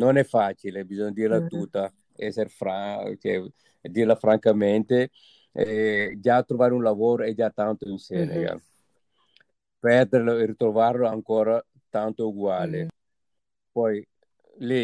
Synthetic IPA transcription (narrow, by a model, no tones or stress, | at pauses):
nonɛfat͡ʃilebizɔɲːad̪iɾlat̪ut̪ːa | ɛseɾefɾat͡ʃɛ̰ | d̪iɾlafɾaŋkament̪e | ɛd͡ʒat̪ɾovaɾeũnlavoːɾoɛd͡ʒat̪ant̪oinsenḛɡa̰ | pɛɾd̪eɾloiɾit̪ɾovaɾloaŋkɔːɾa | t̪ant̪ouɡwale | pɔj | li